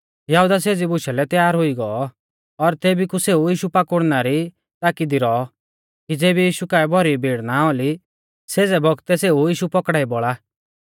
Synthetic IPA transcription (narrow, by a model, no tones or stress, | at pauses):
jaɦud̪aseːd͡zibʊʃalɛt̪jaːɾɦʊiɡɔɔ | ɔɾt̪eːbikuseːujiːʃupakʊɽnaɾi | t̪aːkid̪iɾɔɔ | kid͡zeːbijiːʃukaːɛbʱɔɾibʱiːɽnaoːli | seːd͡zɛbɔɡt̪ɛseːujiːʃupɔkɽaːibɔɭa